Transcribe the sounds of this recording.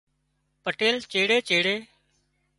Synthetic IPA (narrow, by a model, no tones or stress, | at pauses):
pəʈeːlt͡ʃeːɽeːt͡ʃeːɽeː